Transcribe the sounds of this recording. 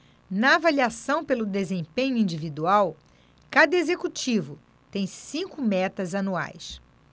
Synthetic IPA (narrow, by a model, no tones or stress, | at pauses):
nɐavaliasɐ̃w̃pelʊd̪ezẽpẽɲʊĩd͡ʒivid̪uaw | kad̪ɐezekut͡ʃivʊ | t̪ẽj̃sĩŋkʊmɛt̪ɐzanua̰js